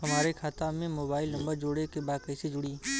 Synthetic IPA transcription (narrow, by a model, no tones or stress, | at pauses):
ɦɐmaːɾekʰaːt̪amẽmoːbaːɪlnɐ̃mbəɾd͡ʒoːɽekebaːd̪̚kəːsed͡ʒʊɽiː